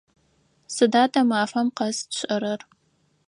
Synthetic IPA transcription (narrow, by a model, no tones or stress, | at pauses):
sɨdaːtɐmaːfɐmqɐsɕʼɐɾɐr